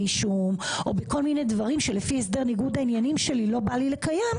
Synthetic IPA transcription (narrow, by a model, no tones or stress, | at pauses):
iʃumʔo̞beko̞lminedvaʁimʃelefies̬de̞ʁniɡudhainjanimʃe̞lilo̞balile̞kajam